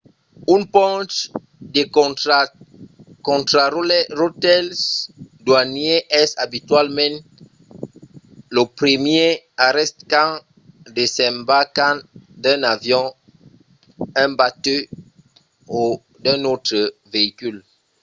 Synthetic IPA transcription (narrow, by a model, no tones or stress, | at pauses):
ynpɔ̃t | de | kɔ̃tɾalɛrotɛlsdwanjeʔɛsabitɥalmɛ̃n | ləpɾəmje | aɾɛstkã | desɛ̃mbakãdɛ̃navjɔ̃ | ɛ̃batø | o | dɛ̃notχəveikyl